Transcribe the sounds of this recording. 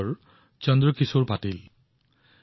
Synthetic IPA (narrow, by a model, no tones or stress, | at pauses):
ɹ | t͡ʃɔndɹɔkisuɹbatil